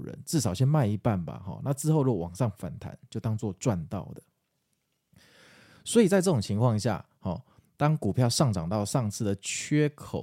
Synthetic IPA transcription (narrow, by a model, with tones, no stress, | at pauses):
ɻə̰˧˦nt͡sɻ̩˥˩ʂɑ˨˩ʊɕjɛ˥nma˥˩ɪi˧˦pa˥˨˩nba̰˨˩xɔ̰˨˩na˥˧t͡sɹ̩˥˧xo˥˧ʊɻuɔ˥˩wɑ˨˩ŋʂɑ˥˩ŋfa̰˨˩nt̪ʰa̰˧˦nt͡ɕjo˥˩ʊt̪ɑ˥ŋt͡swɔ˥˧t͡swa˥˧nt̪ɑ̰˥˩ʊd̪ə˩ | swɔ˧˥i˨t͡sa˥ɪʈ͡ʂɤ˥˩ʊ˨˩ŋt͡ɕʰi˧ŋkʰwɑ˥˧ŋɕja̰˥˩ | hɔ˨˩ | t̪ɑ˥ŋku˨˩pʰjɑ˥˧ʊʂɑ˥˩ŋʈ͡ʂɑ˨˩ŋt̪ɑ˥˧ʊʂɑ˥˧ŋt͡sʰɹ̩˥˩d̪ə˩t͡ɕʰɥɛ˦˥kʰo̰˨˩˦